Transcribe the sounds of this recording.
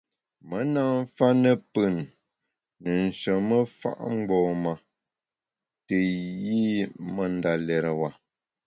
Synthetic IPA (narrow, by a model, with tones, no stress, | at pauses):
mə˨˦na˦˨m˦fa˦nə˦pə˦˨nː | ə˨n̩˨sə˨mə˦fa̰˦ʔŋ͡mɡ͡bɔː˨ma˨ | tə˨ji˦mə˨nda˨lɛ˨ɾə˨wa˨